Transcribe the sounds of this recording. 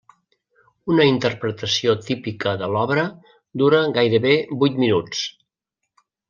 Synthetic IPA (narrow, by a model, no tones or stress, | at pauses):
unəint̪ərpɾət̪əsiot̪ipikəðəlɔβɾə | d̪uɾəɣajɾəβebujt̪minut͡s